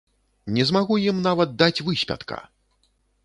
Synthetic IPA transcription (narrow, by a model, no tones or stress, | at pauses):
nʲɛzmaɣujimnavɐt̪̚d̪at͡sʲvɨsʲpʲa̰t̪ka̰